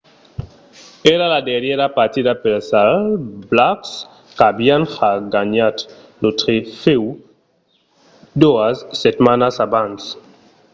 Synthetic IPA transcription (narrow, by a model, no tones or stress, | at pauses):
eɾaladeɾjeɾapaɾt̪iðapelsalblaks | kabianxaɡaɲat̪ | not̪ɾefew | d̪oasːet̪manasabans